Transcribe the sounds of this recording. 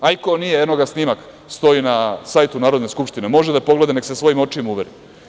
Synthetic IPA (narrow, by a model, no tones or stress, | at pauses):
ajkonijejed̪noɡasnimak | st̪o̞inasaːjt̪unaːɾod̪neskupʃt̪inemo̞ʒed̪apo̞ɡle̞d̪ane̞kse̞sʋo̞jimo̞t͡ʃiimuʋeɾi